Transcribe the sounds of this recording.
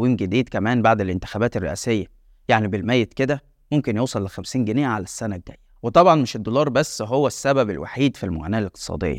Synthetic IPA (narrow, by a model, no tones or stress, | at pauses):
wiːmɡed̪iːd̪kæmæːnbaʕd̪elʔent̪ɪ̥xæbæːt̪erːḛʔæ̰ːsejːæ | jaʕnibelmæjːet̪ked̪æ | momkenjoːsˤɑlːexæmsiːnɡeneːʕalæsːænæɡ̚d̪æ̰jːæwet̪ˤɑbʕɑnmeʃed̪ːolɑːɾˤbæsːɦowːæsːæbæbḛlwa̰ħiːd̪filmo̰ɣæ̰næːʔæleq̚t̪e̥sˤɑ̰ːd̪ḛjːɑ̰